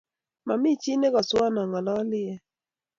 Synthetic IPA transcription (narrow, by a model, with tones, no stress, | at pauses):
ma˨mi˦t͡ʃi˦ne˦kɔ˨swa˦nɔ˨ŋɔ˨lɔ˦lɪ˦ɛ˦